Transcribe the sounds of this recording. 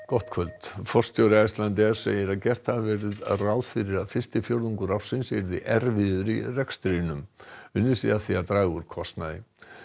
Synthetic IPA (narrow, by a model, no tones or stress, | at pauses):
kɔht̪kʰvœlt̪fɔr̥st̪ʰjowɾaajst̪lant̪ɪ̥sḛːjɪɾaðcɛr̥t̪havvɛɾɪðraːwðfɪɾɪɾaðfɪr̥st̪ɪfjowɾðuŋkʏɾafsɪnsɛɾðɪʔɛɾvɪðʏɾirɛkst̪ɾinʏmʏnːɪsḭðaθiat̪ɾaːɣʏɾ̥kʰɔst̪naðɪ̰